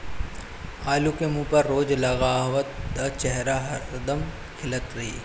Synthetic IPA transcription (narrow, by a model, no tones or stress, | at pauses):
aːlukemũːpɐɾːoːd͡ʒlɐɣaːʋət̪d̪at͡ʃɛɦɾaɦɐd̪əm | kʰɪlət̪ɾɐɦḭː